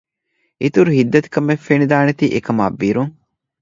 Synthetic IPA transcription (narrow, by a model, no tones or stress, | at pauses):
ʔit̪uɾuɦid̪ːɐt̪i̥kɐmːefːenid̪aːnet̪iːʔekɐma̰ːbːiɾuŋ